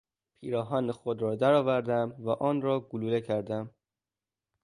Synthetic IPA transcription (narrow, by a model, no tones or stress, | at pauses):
pʰiːɾɒːɦɒːnexod̪ɾɒːd̪æɾɒːvæɾd̪æmvæʔɒːnɾɒːɡuluːlecʰæɾd̪æm